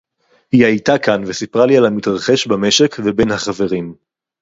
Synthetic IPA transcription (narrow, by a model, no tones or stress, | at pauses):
hiajtakanvesipʁalialamitʁaχe̞ʃbame̞ʃe̞kvebe̞nhaχave̞ʁim